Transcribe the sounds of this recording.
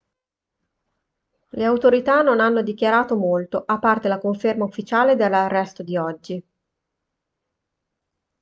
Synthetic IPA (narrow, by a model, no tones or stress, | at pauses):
leawt̪oɾit̪anonanːod̪ik̟jaɾaːt̪omolt̪oʔapːart̪elakoɱfermaufːit͡ʃaːled̪elːarːɛst̪od̪iɔd͡ʒːi